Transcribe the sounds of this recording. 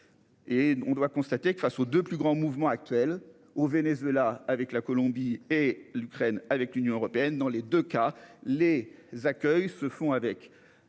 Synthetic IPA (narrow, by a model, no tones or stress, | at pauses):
eɔ̃d̪wakɔ̃st̪at̪ekəfasod̪øplyɡʁɑ̃muvmɑ̃ak̚t̪ɥɛl | ovenezɥelaːvɛklakɔlɔ̃bielykχɛnavɛklynjɔ̃øʁɔpeɛnd̪ɑ̃led̪økalezakʲœjsəfɔ̃avɛk